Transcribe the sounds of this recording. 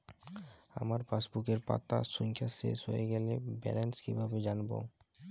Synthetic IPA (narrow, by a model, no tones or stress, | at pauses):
a̰maɾfasbukeɾpa̰t̪ːa̰suŋkʰasḛʃɦojeɡɛlebɛ̰lenskibʱabed͡ʑanbo̰